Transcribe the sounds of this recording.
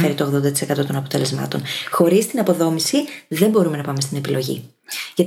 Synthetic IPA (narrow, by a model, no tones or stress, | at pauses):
fe̞ɾit̪oɣðo̞nd̪ɐt̪isekɐt̪o̞t̪o̞nɐpo̞t̪ele̞zmɐ̰t̪o̞̰nxo̞ɾist̪inɐpo̞ðo̞misiðe̞mbo̞ɾume̞nɐpɐme̞st̪ine̞pilo̞ʝḭ | ʝɐt̪